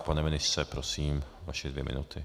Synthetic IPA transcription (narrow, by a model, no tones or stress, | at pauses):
panɛmɪnɪsɛpɾosiːmvaʃɛd̪vjɛmɪ̰nut̪ʰɪ